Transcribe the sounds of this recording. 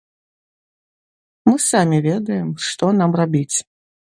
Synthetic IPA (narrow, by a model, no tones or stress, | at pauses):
mɨsamʲivʲɛd̪ɐjɛmʂt̪ɔnamrabʲit͡sʲ